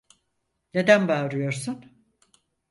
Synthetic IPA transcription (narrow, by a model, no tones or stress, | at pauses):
ne̞d̪ænbaːɾɯjo̞ɾsun